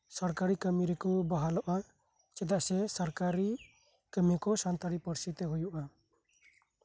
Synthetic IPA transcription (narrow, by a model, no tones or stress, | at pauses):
sɔɾkaɾikəmiɾɛkubaɦalɔʔa | t͡ʃɛd̪aʔsɛsɔɾkaɾi | kəmikɔsɔnt̪ɔɾipɔɾsit̪ɛɦujuʔa